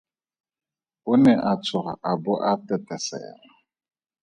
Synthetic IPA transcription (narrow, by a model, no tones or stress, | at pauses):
ʊnɛʔat͡sʰʊɣa̰ʔabʊʔatɛtɛsɛ̰ːla